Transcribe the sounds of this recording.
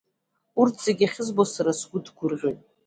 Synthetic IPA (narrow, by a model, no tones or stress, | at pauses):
urtʰz̥eɡʲaχʲɪzbosaɾasɡʷʊdʰɡʷʊrʁʲʏn